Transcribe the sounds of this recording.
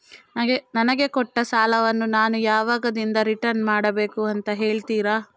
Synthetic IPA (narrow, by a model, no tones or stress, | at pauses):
nɐɡenɐnɐɡe̞kɔʈːɐsaːlɐʋɐnːunaːnujaːʋaːɡɐd̪ind̪ɐɾiʈɐɾnmaːɽɐbe̞ːkuɐnt̪ɐɦe̞ːɭt̪iːɾaː